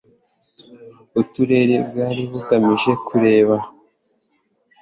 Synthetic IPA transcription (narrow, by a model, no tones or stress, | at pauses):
utuɾe̞ɾebɡaːɾiβuɡamiʒe̞kʰuɾe̞ːβa